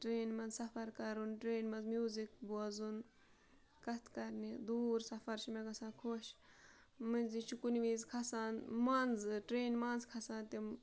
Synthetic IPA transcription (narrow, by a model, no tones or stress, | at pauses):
ʈɾeːnmɐnsɐfɐɾkɐɾunʈɾeːnmɐnzmjuːzikbuɐzun | kɐt̪ʰkɐɾnid̪uːɾsɐfɐɾʃimeɡɐsãːkʰoʃ | mɨnʲzit͡ʃʰukunʋiːzkʰɐsaːnmaːnzʈɾeːnmaːnzkʰɐsaːnt̪im